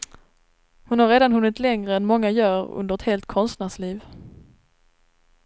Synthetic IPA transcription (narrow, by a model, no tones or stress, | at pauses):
hʊnhaɾeːd̪anɦɵnːɪt̪lɛŋɾəɛnmɔŋːajœːɾɵ̰nd̪əɾɛt̪heːlt̪̚kʰɔnst̪næʂliːv